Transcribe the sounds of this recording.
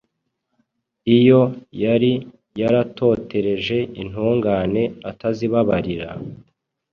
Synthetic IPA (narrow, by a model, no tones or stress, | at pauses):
ijo̞jaɾi | jaɾato̞ːte̞ɾe̞ʒe̞in̥huːŋɡane̞ataziβaβaɾiɾa̰